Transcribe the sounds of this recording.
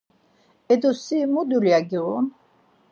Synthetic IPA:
ɛd̪usimud̪uljaɡiʁun

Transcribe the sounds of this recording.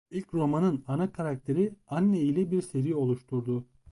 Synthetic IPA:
ilʲcɾo̞manɯnanakʰaɾak̚t̪ʰe̞ɾianːeilʲɛbiɾse̞ɾijo̞lˠuʃt̪ʰuɾd̪ʊ

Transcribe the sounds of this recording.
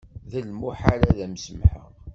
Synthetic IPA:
ðəlmuħaɾæðæmsəmħə̰ʁ

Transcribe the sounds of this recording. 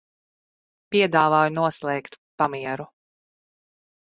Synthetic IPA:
piɛd̪aːvaːjunuɔslˠɛːkt̪pamiɛɾu

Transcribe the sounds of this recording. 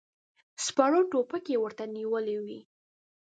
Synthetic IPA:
spɑɽoʈopəkewəɾt̪aniwəlewi

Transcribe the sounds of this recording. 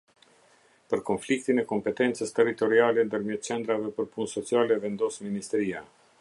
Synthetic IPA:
pəɾkɔnflik̚t̪inɛkɔmpɛt̪ɛnt͡səst̪ɛɾit̪ɔɾialɛnd̪əɾmjɛt̪̚t͡ʃɛnd̪ɾavɛpəɾpunsɔt͡sialɛvɛnd̪ɔsminist̪ɛɾia

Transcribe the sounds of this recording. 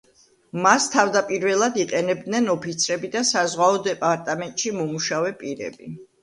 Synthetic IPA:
mast̪ʰavd̪apʼiɾvɛlˠad̪iqʼɛnɛb̚d̪nɛnɔpʰit̪sʰɾɛbid̪asazʁwaɔd̪ɛpʼaɾt̪ʼamɛnt̪ʼʃimɔmuʃavɛpʼiɾɛ̰bḭ

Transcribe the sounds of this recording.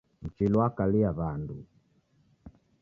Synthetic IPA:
m̩t͡ʃilwakaliaβandu

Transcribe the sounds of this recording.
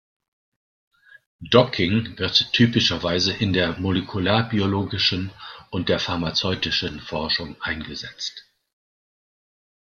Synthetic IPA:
d̥ɔkʰɪŋvɪɐtʰːyːpɪʃɐvaɪzəʔɪndeːɐmolekʰulaːɐbioloːɡɪʃn̩ʊntd̥eːɐfaɐmat͡sɔʏtɪʃənfɔɐʃʊŋʔaɪnɡəzɛt͡st

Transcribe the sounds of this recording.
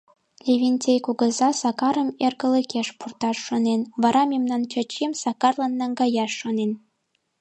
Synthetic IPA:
lʲeβʲinʲtʲejkuɣə̆zɑsɑkɑɾəmerɣə̆ləkeʃpurt̪ɑʃːonenβɑɾɑmʲemnɑnt͡ɕə̆t͡ɕimsɑkɑrlɑnːɑŋɡɑjɑʃːonen

